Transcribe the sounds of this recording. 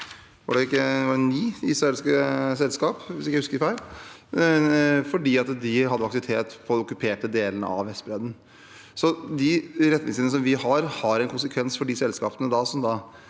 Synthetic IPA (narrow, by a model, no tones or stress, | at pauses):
ʋɑ̰ɖɛɪkːəʋɑɛnniːɪsɾɑeːlskəsɛlskɑːpʋɪsɪkːhʉskəɾɪfæɪl | fɔɖiːɑt̪d̪ɪɦɑd̪ːəfɑkt̪ʋɪt̪ʰeːt̪pʰɔɔkːʉpʰeːʈəd̪eːlənə̰ʔɑ̰ʋʋɛst̪bɾɛd̪n̩ | sɔd̪ɪɾɛt̪ːnɪŋsənəsɔmʋɪhɑɾhɑɾɛnkʰʊnsəkʰʋɛnsfɔɖɪsɛlskɑːpənəd̪ɑsɔmd̪ɑ